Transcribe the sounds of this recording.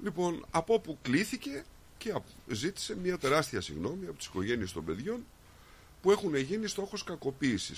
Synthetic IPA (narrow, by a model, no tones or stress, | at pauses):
lipo̞nɐpo̞pukliθice̞ | ce̞ɐzit̪i̥se̞mɲɐt̪e̞ɾɐst̪iɐsḭɣno̞miɐpo̞t̪i̥si̥ko̞ʝe̞nie̞st̪o̞mbe̞ðʝo̞n | pue̞xune̞ʝinist̪o̞xo̞skɐko̞piːsḭs